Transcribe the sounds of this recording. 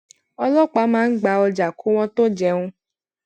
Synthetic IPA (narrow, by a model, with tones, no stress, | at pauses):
ɔ˧lɔ˦k͡pa˨˦mãː˦n̩˦ɡ͡ba˧ɔ˧d͡ʒa˨ko˦w̃ɔ̃˦t̪o˦d͡ʒɛ˦ŋũ˦